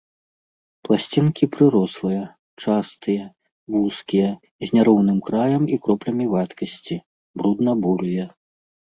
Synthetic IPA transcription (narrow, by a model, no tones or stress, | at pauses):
plˠasʲt͡sʲinkʲipɾɨɾɔslˠɨjɐ | t͡ʂast̪ɨjɐ | vuskʲijɐ | zʲnʲaɾɔwnɨmkɾajɐmikɾɔplʲɐmʲivat̪kɐsʲt͡sʲi | bɾud̪nɐbuɾjɐ